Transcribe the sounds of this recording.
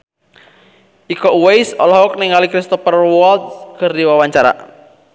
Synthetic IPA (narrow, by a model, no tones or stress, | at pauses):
ʔikɔʔuwejsɔlɦɔk̚niŋalikɾist̪ɔfərwɔld̪skərdiwawaɲt͡ʃaɾa̰